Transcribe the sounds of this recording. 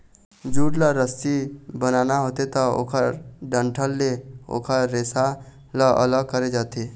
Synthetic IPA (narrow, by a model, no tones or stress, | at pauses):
d͡ʒuɽləɾəst̪ibənanaɦot̪et̪ɔo̰kʰəɾɖəɳʈʰəlːeo̰kʰəɾːesa | ləʔə̰ləɡ̚kəɾed͡ʒat̪e